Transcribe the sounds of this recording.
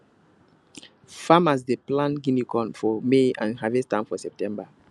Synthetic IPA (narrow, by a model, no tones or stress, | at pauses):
famas̬deplãnɡĩnikʰɔ̃nfɔmeãnɦavɛstãfɔsɛp̚tɛ̃mba